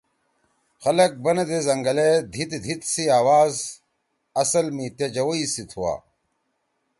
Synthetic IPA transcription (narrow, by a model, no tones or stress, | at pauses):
xɐlɐk̚bɐnɐd̪ezɐŋɡɐled̪ʱit̪d̪ʱit̪siaːwaːz | ɐsɐlmit̪ed͡ʑɐwoisit̪ʰuwa̰ː